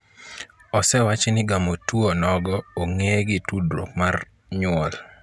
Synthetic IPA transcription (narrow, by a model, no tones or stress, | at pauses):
ɔsɛwat͡ʃenɪɡamotuonɔɡɔoŋeɡɪtudɾo̰kmar | ɲʊɔl